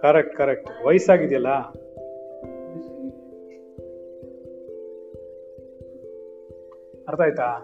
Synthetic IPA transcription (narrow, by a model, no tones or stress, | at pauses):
kɐɾek̚ʈkɐɾek̚ʈʋɐjsaːɡid̪jɐlːa | ɐɾt̪aːjt̪aː